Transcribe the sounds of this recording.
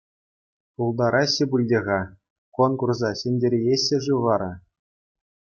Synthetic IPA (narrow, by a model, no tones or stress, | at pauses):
ulˠd̪ɑɾʔɑɕːɘ̆bulʲdʲeʁɑ | konkurzɑɕĕnʲdʲeɾʲejeɕʲːɘ̆ʐuʋɑɾɑ